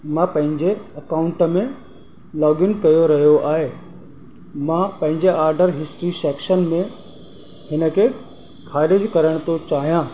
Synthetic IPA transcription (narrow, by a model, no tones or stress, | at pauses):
mãpɐ̃ɦɪ̃ɲd͡ʑeɐkaːʊ̃ɳʈəmẽ | lɔːɡɪnkɐjoɾɐɦijoʔaːɦe | mãpɐ̃ɦɪ̃ɲd͡ʑeaːɾɖəɾɦɪsʈɾisɛːkʃənmẽ | hɪnə̆kʰe | kʰaːɾɪd͡ʑkɐɾəɽ̃t̪ʰot͡ɕaːɦijãː